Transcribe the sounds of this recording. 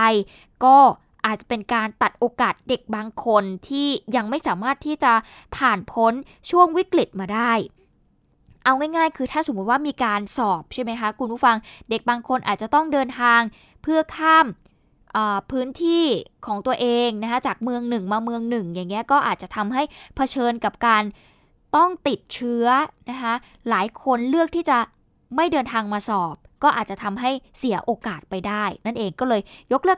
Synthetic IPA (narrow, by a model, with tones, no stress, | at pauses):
j | kɔː˥˩ | ʔaː˨˩t̪̚t͡ɕa˨˩pe˧nkaː˧nt̪a˨˩t̪̚ʔoː˧kaː˨˩t̪̚de˨˩k̚baː˧ŋkʰo˧nt̪ʰiː˥˩ja˧ŋma˥˩jsaː˩˦maː˥˩t̪ʰːiː˥˩t͡ɕa˨˩pʰaː˨˩npʰo˦˥n | t͡ɕʰu˥˩əŋwi˦˥kli˨˩t̪̚maː˧daː˥˩j | ʔa˧wŋaː˥˩jŋaː˥˩jkʰɯː˧t̪ʰaː˥˩so˨˩˦mːu˦˥t̪̚waː˥˩miː˧kaː˧nsɔː˨˩p̚t͡ɕʰa˥˩jma˦˥jkʰa˦˥kʰu˧npʰu˦˥˩fa˧ŋde˨˩k̚baː˧ŋkʰo˧nʔaː˨˩t͡ɕa˨˩t̪ɔ˥˩ŋdɤː˧nt̪ʰaː˧ŋ | pʰɯ˥˩ɐkʰaː˥˩m | ʔəː˨˩pʰɯː˦˥nt̪ʰiː˥˩kʰɔː˩˦ŋt̪u˧ɐʔeː˧ŋna˦˥kʰa˦˥t͡ɕaː˨˩k̚mɯ˧əŋnɯ˨˩ŋmaː˧mɯ˧əŋnɯ˨˩ŋja˨˩ŋːi˦˥ɐkɔː˥˩ʔaː˨˩t̪̚t͡ɕa˨˩t̪ʰa˧mɦa˥˩jpʰa˧t͡ɕʰɤː˧nka˨˩p̚kaː˧n | t̪ɔ˥˩ŋt̪i˨˩t̪̚t͡ɕʰɯ˦˥ɐna˦˥kʰa˦˥ | laː˩˦jkʰo˧nlɯ˥˩ək̪̚ʰiː˥˩t͡ɕa˨˩ | ma˥˩jdɤː˧nt̪ʰaː˧ŋmaː˧sɔː˨˩p̚kɔː˥˩ʔaː˨˩t̪̚t͡ɕa˨˩t̪ʰa˧mɦa˥˩jsi˨˩˦ɐʔoː˧kaː˨˩t̪̚pa˧jdaː˥˩jna˥˩nʔeː˧ŋkɔː˥˩lɤː˧jjo˦˥k̚lɯ˥˩ə